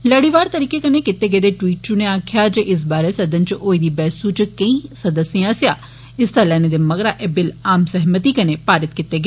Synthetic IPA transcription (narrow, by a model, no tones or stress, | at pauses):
lɐɽiʋaːɾt̪ɐɾiːkekɐnekɪt̪eɡed̪eʈwiːʈ̚t͡ʃʊneaːkʰjad͡ʒeʔɪs̬baːɾesɐd̪ənt͡ʃʔoːid̪iːbɛːsut͡ʃkɐ̃ĩsɐd̪əsiãːsjaː | ɪst̪alɛːned̪emɐɡɾaʔɛbɪlaːmsɛɦmət̪iːkɐnepaːɾɪt̪̚kɪt̪ːeɡɐ